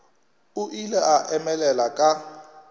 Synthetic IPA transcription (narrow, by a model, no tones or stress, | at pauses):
uʔilɛaʔɛmɛlɛlakʼa